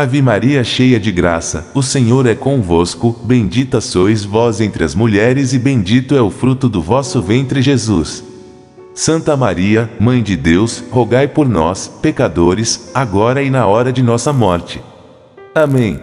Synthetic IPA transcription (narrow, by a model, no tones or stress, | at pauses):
avimaɾiɐɛʃejɐd͡ʒɪɡɾa̰sɐ̰ʊsẽɲoɾɛkõvoskʊbẽj̃d͡ʒit̪ɐsojzvɔzẽnt̪ɾɪɐzmuʎɛɾɪzɪbẽj̃d͡ʒit̪ʊɛʊfɾut̪ʊd̪ʊvɔsʊvẽnt̪ɾɪʒezusː | ɐ̃nt̪ɐmaɾiɐmɐ̃j̃d͡ʒɪd̪ewshoɡajpoɾnɔ̰spekad̪oɾɪsaɡɔɾɐɪnɐɔɾɐd͡ʒɪnɔsɐmɔɾt͡ʃɪ̥ | amẽj̃